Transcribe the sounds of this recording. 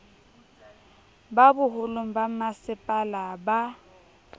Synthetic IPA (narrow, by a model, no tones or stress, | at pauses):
babʊɦʊlom̩bamasɪpʼalaba